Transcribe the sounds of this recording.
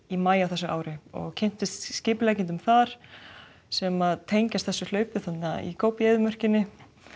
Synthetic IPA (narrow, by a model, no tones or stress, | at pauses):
imaːjawθɛsːʏʔa̰ːwɾɪɔ̰ɣcʰɛn̥t̪ɪst̪scɪːplajcɪnt̪̬ʏmθaɾ̥ | sɛmaðt̪ʰejɲcast̪θɛsːʏl̥œːɥpɪθat̪naḭkʰoːwpeːjðʏmœr̥cɪnːɪ